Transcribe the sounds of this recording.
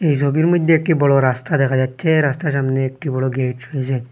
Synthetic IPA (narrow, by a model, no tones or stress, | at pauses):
ejs̬obiɾmod̪ʱjeek̚ʈibɔɽɔɾast̪ad̪ɛkʰad͡ʒatːʃʰeɾast̪aʃ̬amneːk̚ʈibɔɽɔɡeʈɔjet͡ɕʰe